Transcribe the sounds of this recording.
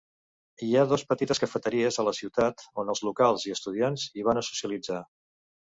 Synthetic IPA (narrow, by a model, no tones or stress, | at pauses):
iaðɔspət̪it̪əskəfət̪əɾiəzələsiwt̪at̪onəlˠzlukalˠziəst̪uðianziβanəsu̥siəlid͡za